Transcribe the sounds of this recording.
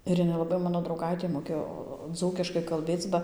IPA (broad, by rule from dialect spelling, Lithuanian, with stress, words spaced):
ɪr ˈjɪnɐɪ lˠɐˈbɐɪ ˈmɑːnoː drɐʊˈɡɐɪtʲeː moːˈkʲeːjoː ˈd͡zuːkʲɪʃkɐɪ kɐlʲˈbʲeːt͡s bɐ